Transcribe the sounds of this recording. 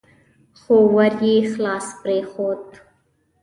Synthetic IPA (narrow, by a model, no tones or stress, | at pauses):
χoːwɐɾjeχlaːspɾeːχoːd̪